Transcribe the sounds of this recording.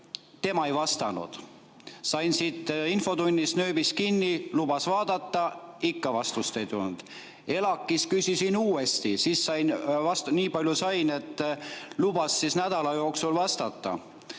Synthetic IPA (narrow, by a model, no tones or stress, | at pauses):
t̪e̞mɑe̞jvɑst̪ɑnṵd̪̥ | sɑjnsit̪ːˑinfo̞d̪unʲːist̪nø̞ːbiskinʲːilubɑsvɑːd̪̥ɑt̪ːɑikːɑvɑst̪ust̪e̞jt̪ulnud̪̥ | e̞lɑkːˑiskysʲisinuːe̞st̪isiːsːɑjnvɑst̪niːpɑlʲjusɑjne̞t̪ːˑlubɑsːisnæd̪̥ɑlɑjo̞ːksulvɑst̪ɑt̪ːˑɑ̰